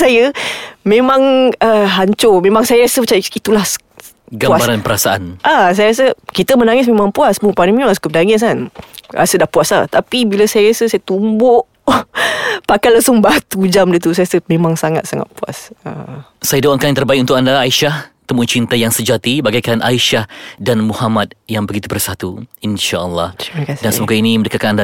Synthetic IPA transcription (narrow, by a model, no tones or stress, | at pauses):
sajəmẽmãŋəɦaɲt͡ʃʊmẽmaŋsajəɾasəpət͡ʃait̪ulah | ɡamabaɾanpəɾasaʔa̰nʔas̬ajəɾas̬əkit̪əmənaŋɪs̬mẽmãŋpuasbuŋpanəmĩlasu̥kəp̚daŋɛs̬anɾa̰sədahpuaslat̪apibiləsajəɾasəsajət̪umbʊʔ | pakajlaŋsʊŋbat̪ud͡ʒamdit̪us̬ajɾasəmẽmaŋsaŋat̪̚saŋa̰t̪̚pua̰sə̰sajadoaŋkajŋt̪ərbaik̚unt̪ʊk̚andaːiʃaht̪əmut͡ʃint̪ajaŋsəd͡ʒat̪ibaɡajkanʔaiʃahdanmuhamat̪̚jaŋbəɡit̪ubərsat̪uinʃaəlːɑhkasdansəmokainĩməndəkat̪̚kananda